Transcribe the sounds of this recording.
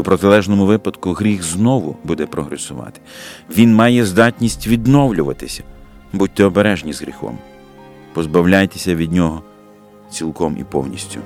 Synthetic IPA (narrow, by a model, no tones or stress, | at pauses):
upɾɔt̪ɪlˠɛʒnɔmʊʋɪpɐd̪kʊɦɾʲixznɔʋʊbud̪ɛpɾɔɦɾesʊʋɑ̰t̪ɪ̥ʋʲinmɑjɛzd̪ɑtʲnʲisʲtʲʋʲid̪nɔwlʲʊʋɐ̰t̪ɪsʲɐ̥ | but̚ʲt̪ɛɔbeɾɛʒnʲizɣɾʲḭxɔ̰m | pɔzbɐwlʲajt̪esʲɐʋʲid̪ʲnʲɔɦɔ | t͡sʲilˠkɔmḭpɔ̰wnʲisʲtʲʊ